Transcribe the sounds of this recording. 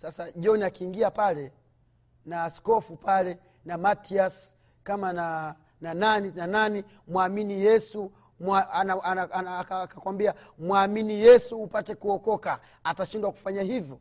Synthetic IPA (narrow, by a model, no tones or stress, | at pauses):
sasaʄɔniakiːŋɡiapalɛ | naːskɔfupalɛ | namatias | kamana | nananinanani | mwaminijɛsu | manaaakakwambiamwaminijɛsuːpatɛkuɔkɔka | ataʃindwaku̥faɲahivjɔ